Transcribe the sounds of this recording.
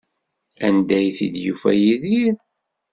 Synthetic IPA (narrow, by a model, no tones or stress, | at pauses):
ænd̪æjθḭd̪jufæ̰jiðiɾ